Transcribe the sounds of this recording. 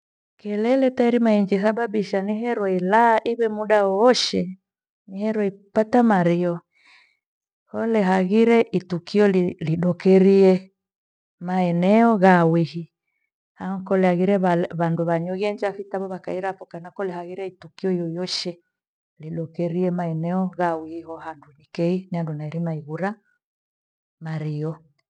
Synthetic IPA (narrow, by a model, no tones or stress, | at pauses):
kɛlɛlɛtaiɾimaiɲd͡ʒisaɓaɓiʃaniɦɛɾɔilaʔiβɛmuɗaɔɔʃɛ | nihɛɾɔipatamaɾiɔ | hɔlɛɦaɣiɾɛʔitukiɔliliɗɔkɛɾiɛ | maɛnɛɔɣawihi | haɔkɔlɛaɣiɾɛβalβanduβaɲɔɣɛɲd͡ʒafitaβɔβaka̰iɾapɔkanakɔlɛhaɣiɾɛitukiɔijɔjɔʃɛ | liɗɔkɛɾiɛmaɛnɛɔɣawihihɔhandunikɛiniandunaiɾimaiɣuɾa | maɾiɔ